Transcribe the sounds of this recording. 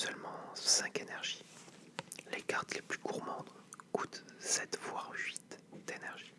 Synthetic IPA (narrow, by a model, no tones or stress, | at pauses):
sœlmɑ̃sɛ̃kenɛʁʒi | lekaʁt̪leplyɡuʁmɑ̃d̪kut̪sɛt̪vwaʁɥit̪d̪̥enɛʁʒi